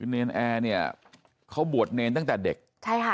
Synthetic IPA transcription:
neː˧nʔɛː˧ni˥˩ɐ | kʰa˦˥wbu˨˩ət̪̚neː˧nt̪a˥˩ŋt̪ɛː˨˩de˨˩k̚t͡ɕʰa˥˩jkʰa˥˩

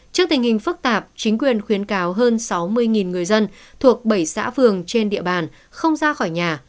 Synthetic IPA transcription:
t͡ɕɨ˦˥ək̚t̪ï˨˩ŋhï˨˩ŋ̟fɨ˦˥k̚t̪aː˨˩p̚t͡ɕï˨˦ŋ̟kwi˨˩ənxwi˨˦ənkaː˨˦wɦəː˧nsa˨˦wmɨ˧əjŋi˨˩nŋɨ˨˩əjzə˧nt̪ʰu˨˩ək̚ɓə˧˩jsa̰ː˧˥fɨ˨˩əŋt͡ɕe˧nɗḭ˧˨əɓaː˨˩n | xə˧wŋ͡mzaː˧xɔ˧˩jɲaː˨˩

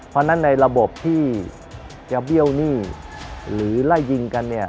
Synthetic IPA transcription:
pʰɔː˦˥na˦˥nːa˧jɾa˧bo˨˩p̚t̪ʰiː˥˩ | t͡ɕaː˧˩bi˥˩əwniː˥˩ | ɾɯː˩˦la˥˩jːi˧ŋka˧nːi˥˩ɐ

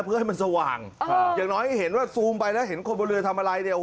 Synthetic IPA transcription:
pʰɯ˦˥˦a˥˩ma˧nsa˧wa̰ː˨˩ŋjaː˨˩ŋnɔː˦˥jha˥˩jɦe˩˦nwaː˥˩suː˧mpa˧jlɛː˦˥wɦe˩˦nkʰo˧nbɔ˧ɾɯ˧ət̪ʰa˧mʔa˧ɾa˧jni˧˩˨

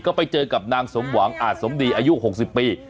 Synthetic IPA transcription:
kɔ˨˦˥fa˨˦jt͡ɕəː˧ka˨˩p̚naː˧ŋso˨˦mkwaː˧˩ŋʔaː˨˩t̚so˨˦mɗi˧ʔaː˧˦jzu˦˥ʔ̚ho˨˩t̚si˨˩p̚ːi˧˩

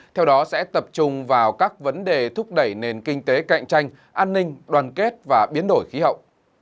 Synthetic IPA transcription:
t̪ʰɛ˧wɗɔ˨˦sɛ̰˧˥t̪ə˨˩p̚t͡ɕʊ˧ŋ͡mvaː˨˩wkaː˦˥k̚və˨˦nɗe˨˩t̪ʰʊ˦˥k͡p̚ɗə˧˩jne˨˩nkï˧ŋ̟t̪e˨˦ka̰˧˨ŋ̟t͡ɕa˧jŋ̟ | ʔaː˧nːï˧ŋ̟ɗwaː˨˩nke˦˥t̚vaː˨˩ɓi˨˦ənɗo˧˩jxi˨˦ɦə̰˧˨wʔ

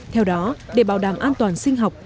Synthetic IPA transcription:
t̪ʰɛ˧wɗɔ˨˦ɗe˨˧˩ɓaː˧˩wɗaː˧˩mʔaː˧nt̪waː˨˩nsï˧ŋ̟ɦa˨˩wk͡p̚

